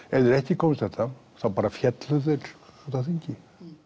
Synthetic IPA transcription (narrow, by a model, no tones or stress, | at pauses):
ɛɾðɪɾɛhc̪ɪkʰɔːmst̪ɛt̪a | θapaːɾafjɛt̪lʏθɪɾt̪aθiɲcɪ